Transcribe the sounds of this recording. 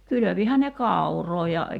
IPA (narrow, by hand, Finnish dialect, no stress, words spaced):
kyløʋihæn ne kɑˑuroː jɑ